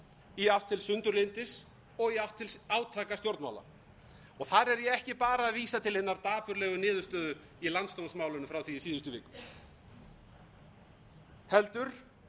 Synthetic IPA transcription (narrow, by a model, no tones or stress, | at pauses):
iaw̥t̪ʰːɪlsʏnt̪ʏɾlɪnt̪ɪs | ɔɣiaw̥ht̪ʰːɪlaːwt̪ʰaːkast̪jowɾt̪ma̰ːwla̰ | ɔɣθaɾɛɾjɛɛhcɪpaːɾaːðviːsat̪ʰɪlhɪnːaɾt̪aːpʏɾlɛːɣʏnɪːðʏst̪œːðʏ | ilant̪st̪ownsmaːwlʏnʏfɾawθviːsiːðʏst̪ʏvɪːkʏ̥ | hɛlt̪ʏɾ̥